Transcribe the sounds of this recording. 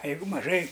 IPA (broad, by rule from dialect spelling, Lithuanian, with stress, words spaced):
ɐ ˈjɛɪɡʊ mɐˈʒɐɪ